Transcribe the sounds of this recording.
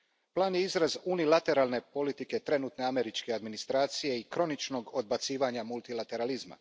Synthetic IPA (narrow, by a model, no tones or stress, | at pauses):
plˠaːnjeizɾazunilˠat̪e̞ɾalˠne̞po̞lit̪ike̞t̪ɾe̞nuːt̪ne̞ame̞ɾit͡ʃke̞ad̪minist̪ɾaːt̪sije̞ikɾo̞nit͡ʃno̞ɡo̞d̪̚bat̪siːʋaɲamulˠt̪ilat̪e̞ɾalizma̰